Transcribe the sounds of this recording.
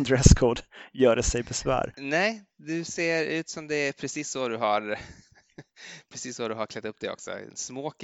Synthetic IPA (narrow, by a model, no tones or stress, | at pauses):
nd̪ɾɛskʰoːɖjœːɖɛsɛjbɛsvæ̰ːɾnɛjd̪ɵseːɾʉ̟ːt̪sɔmd̪ɛæɾpʰɾɛsiːsːɔd̪ɵɦaɾ | pʰɾɛsiːsːɔd̪ɵɦaɾklɛt̪ːɵp̚ːd̪ɛɔ̰ksɔ̰ɛ̰smoːk